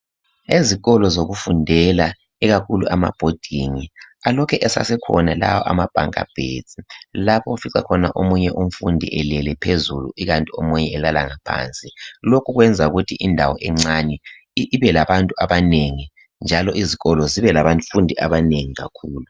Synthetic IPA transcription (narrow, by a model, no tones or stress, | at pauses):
eziɣɔlɔzoɣufundʱɛla | iɣakʰulṵama̰b̥ʱod̥ʱiːŋialɔkʰɛʔɛsa̰sɛkʰɔ̰nala̰wɔ̰ʔa̰mab̥ʱa̰ŋkʼa̰b̥ʱḛ̥zʼilapʰɔufiǀa̰kʰɔnaʔomuɲɛʔum̩fundʱḭʔɛlɛlɛpʰezulṵʔiɣantʼiomuɲɛɛlala̰ŋapʰa̰ːnt͡sʼilokʰuɣwɛnd͡zʱauɣutʰiʔindʱawɔʔɛŋ͡ǀanɛ | iβɛlaβantʼuaβaneŋi | nd͡ʒʱalɔʔiziɣɔlɔziβɛlaβafundʱiaβaneŋiɣa̰kʰuːlu